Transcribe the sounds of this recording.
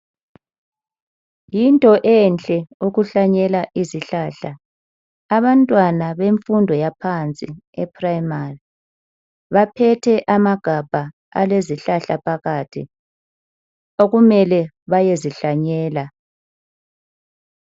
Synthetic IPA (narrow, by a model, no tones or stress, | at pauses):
jintʼɔʔɛnt͡ɬʼɛuɣuɬaɲɛlaʔiziɬaːɬa | aβantʼwanaβeɱfundʱɔjapʰant͡sʼiɛpʰraimari | βapʰɛtʰɛʔamaɡ̥ʱab̥ʱa | a̰leziɬaɬapʰaɣatʰḭ | oɣumɛlɛ | βajeziɬaɲɛːla